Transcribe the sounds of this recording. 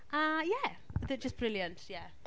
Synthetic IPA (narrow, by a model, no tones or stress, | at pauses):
ʔʌjæ | ɪðɪt̚d̥ʒ̥ʌsb̥ɹɪlˠjə̃nʔjæ